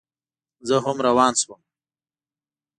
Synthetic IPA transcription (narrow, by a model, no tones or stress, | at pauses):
zəɦʊmɾawɑːnswəm